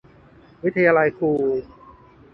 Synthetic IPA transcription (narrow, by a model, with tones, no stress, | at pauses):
wi˦˥t̪ʰːa˧jaː˧la˧jkʰuː˧